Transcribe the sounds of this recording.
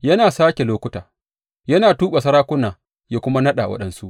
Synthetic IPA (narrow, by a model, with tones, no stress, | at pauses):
jɐ˦naː˨saː˦kʲe˨loː˦kʷʊ˦taː˨ | jɐ˦naː˨tuː˦ɓa˨sɐ˦ɾaː˦kʷʊ˦naː˨ | ja˦kʷʊ˦ma˦nɐ˦ɗa˨wɐ̰˦ɗɐ˨nsu˦ʔ